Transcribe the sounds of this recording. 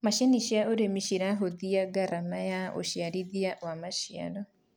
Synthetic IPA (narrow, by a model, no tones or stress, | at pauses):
maʃaniʃiaʔoɾemiʃiɾaɦoðiaɡaɾamajao̰ʃjaɾiðiawamaʃia̰lɔ